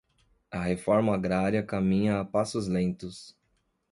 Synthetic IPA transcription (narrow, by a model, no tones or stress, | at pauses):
ɐɦefɔɾmɐaɡɾaɾiɐkamĩɲɐːpasʊzlẽnt̪ʊs